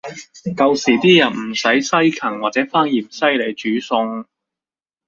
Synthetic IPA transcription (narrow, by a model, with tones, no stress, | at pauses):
kɐ˧wsiː˨˩t̪iː˥jɐ˨˩nm̩˨˩sɐ˨˥jsɐ˥jkʰɐ˨˩ŋwaː˨t̚t͡sɛː˨˥faː˥ŋjiː˨˩msɐ˥jle˨˧jt͡ʃyː˨˥sʊ˧ŋ